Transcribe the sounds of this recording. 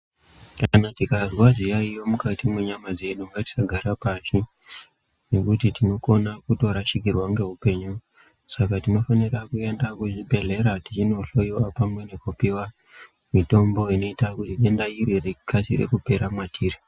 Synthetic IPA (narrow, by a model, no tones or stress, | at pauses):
kanatikazwaʐijaijo̞mukatimwe̞ɲamad͡zeɗomati̥saɡʱaɾapaʃi | ne̞kutitino̞ko̞nakuto̞ɾaʃikirwaŋɡe̞ɦupe̞ɲu | sakatino̞fanirakuendakuʐibʱe̞ɮe̞ɾatit͡ʃino̞ɬo̞joapamwe̞ne̞kupiwa | mito̞mbo̞ino̞itakutiɗe̞ndairwerekʰasḭrḛkupe̞ɾamwatʰiːri